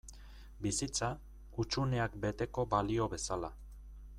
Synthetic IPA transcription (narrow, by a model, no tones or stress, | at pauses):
bisit͡sa | ut͡ʃune̞akbe̞t̪e̞ko̞balio̞βe̞sala